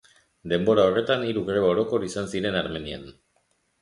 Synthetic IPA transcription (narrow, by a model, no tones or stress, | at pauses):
d̪e̞mbo̞ɾao̞re̞t̪aniɾuɣɾe̞βaoɾo̞ko̞ɾisansiɾe̞naɾme̞nian